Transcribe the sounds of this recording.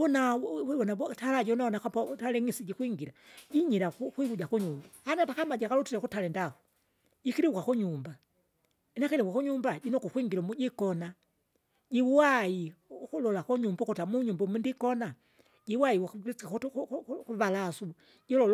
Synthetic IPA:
unabɔnatʰalaɟiunaɔnakapɔtalɛŋisiɟikwiŋɡiɾaɟiɲiɾakukwiβuɟakuɲumbahanatakamaɟakalutiɾakutalɛndaku̥ | ɟikiɾiukakuɲumba | inakɛlikakuɲumbaɟinɔkukwiŋɡiɾɔmuɟikɔna | ɟiwuwajikulɔlakuɲumbukɔtamuɲumbɔmundikɔna | ɟiwai | kuβalasu | ɟilɔl

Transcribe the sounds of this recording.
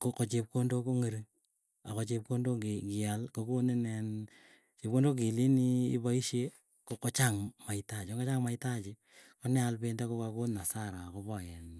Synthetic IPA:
kokot͡ʃep̚kondokoŋeɾi | akot͡ʃep̚kondokikialkokonenɛn | t͡ʃep̚kondok̬iliniibaiʃje | kokot͡ʃaŋmaitat͡ʃŋɡot͡ʃaŋmaitat͡ʃe | konɛalpendakokakonːasaɾakobɔjɛn

